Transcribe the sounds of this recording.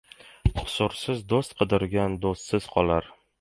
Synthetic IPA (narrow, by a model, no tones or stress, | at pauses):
qʰʊ̥sʊɾsɪzd̪ost̪qʰɨd̪ɪɾɡʲand̪ost̪sɪz̥qʰɒlaɾ